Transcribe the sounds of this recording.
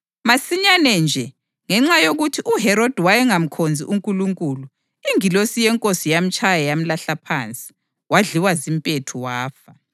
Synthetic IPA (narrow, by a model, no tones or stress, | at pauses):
masiɲanɛnd͡ʒʱɛ | ŋɛŋ͡ǁajoɣutʰiʔuɦɛɾod̥ʱwajɛŋam̩kʰond͡zʱḭʔuŋkʼuluŋkʼulu | iŋilosijɛŋkʼosijam̩t͡ʃʼajajam̩laɬapʰant͡sʼi̥ | waɮiwazimpʼetʰuwaːfa